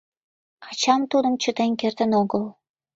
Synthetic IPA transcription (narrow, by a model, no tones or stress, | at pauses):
qʰɑt͡ɕɑmt̪ud̪ə̆mt͡ɕət̪enkert̪ə̆noɡəlˠ